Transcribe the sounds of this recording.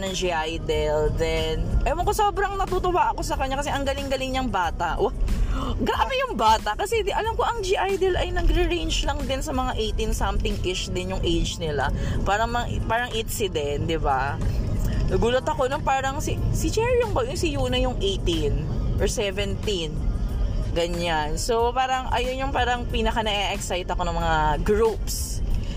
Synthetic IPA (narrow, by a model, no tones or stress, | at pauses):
nɐŋd͡ʒiʔajd̪ɛld̪ɛnʔɐmɐŋkosoːbɾɐŋnɐt̪ut̪owaːʔɐko̞sɐkɐɲːakɐsɛʔɐŋɡɐlɪŋɡɐlɪŋɲɐŋbaːt̪ɐʔwaɡɐʔɐmɪjʊŋbaːt̪ɐkɐsɛʔɐlamko̞ʔɐŋd͡ʒiʔajd̪ɛlɐjnɐɡɾɪɹejnd͡ʒlɐŋd̪ɪnsɐmɐŋaʔejt̪insɐmt̪ɪŋʔɪʃd̪ɪnjʊŋʔejd͡ʒnɪlapaːɾɐŋmɐŋʔpaːɾɐŋʔɪnsɪd̪ɛnt̪̚d̪ɪba | nɐɡuːlɐt̪ɐko̞nɐŋpaːɾɐŋsɪsɪt͡ʃɛɹjʊŋbɐjʊŋsɪjuːnɐjʊŋʔejt̪inʔɔɹsɛvɛnt̪in | ɡɐɲansopaːɾɐŋʔɐ̰jonjʊŋpaːɾɐŋpiːnɐkɐnɐɡɛʔɛksajt̪ɐko̞nɐŋmɐŋaɡɹups